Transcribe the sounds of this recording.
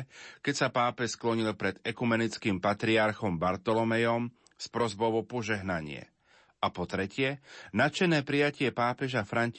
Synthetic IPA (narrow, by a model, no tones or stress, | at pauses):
kɛcsapaːpɛʃsklɔɲilpɾɛd̪̥ɛkumɛnit͡skiːmpat̪ɾiaɾxɔmbaɾt̪ɔlɔmɛjɔm | spɾɔzbɔʊɔpɔʒɛɦnaɲɪɛ̰ | ʔapɔt̪ɾɛcɪɛnat͡ʃɛnɛːpɾijacɪɛpaːpɛʒafɾaɲc